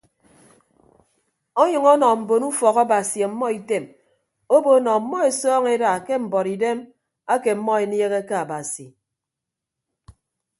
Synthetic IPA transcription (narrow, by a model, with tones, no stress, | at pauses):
ɔ˦ɲɨ˨ŋɔ˦nɔ˨m̩˨bo˨nu˦fɔ˨ɣa˦ba˨si˨a˨˦mːɔ˦i˨te˦˨m | o˦bo˦nɔ˨˦mːɔ˦e˨sɔː˦ŋe˦da˨ke˦m̩˨bɔ˨ɾi˨de˦m | a˦ke˨m̩˦mːɔ˦e˨nje˦ɣe˦ka˦a˨ba˨si˨